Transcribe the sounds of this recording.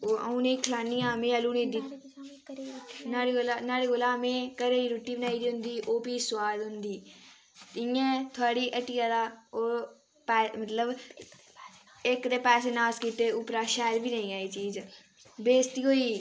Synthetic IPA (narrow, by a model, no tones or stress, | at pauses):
oːa̰ũnẽːkʰlaːnijãːmẽːəluːnĩːd̪i | naːɾiolanaːɽiːɡoːlaːmẽːkəɾeːiːɾoːʈːiːbənaːiːd̪iːɦʊ̃nd̪iːʔoːpiːswaːd̪ɦʊ̃nd̪iː | t̪ɪ̃jãːt̪ʰʊaːɽiːʔəʈiːaːd̪aːoː | pɛːmət̪ləb | ekd̪eːpɛːseːnaːskiːt̪eːʊpɾaːʃɛːɾbiːnəĩːaːiːt͡ʃiːd͡ʒ | beːst̪iːɦoːiː